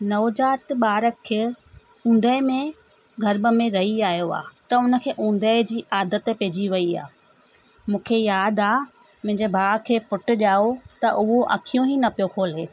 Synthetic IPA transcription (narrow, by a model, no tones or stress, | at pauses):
nɐʋd͡ʑaːt̪ɓaːɾəkʰːeː | ũːn̆d̪əɪmẽ | ɡʱɐɾbə̆mẽɾɐiaːjoa̰ːt̪ɐʊnə̆kʰeːʔũːn̆d̪əɪd͡ʑiːʔaːd̪ət̪peːd͡ʑiʋɐia̰ː | mũːkʰejaːd̪aː | mʊ̃ɦɪ̃ɲd͡ʑebʱaːkʰeːpʊʈʊ̆ʄaːot̪ɐʔʊɦoʔɐ̰kʰijõɦinɐpijokʰoːleː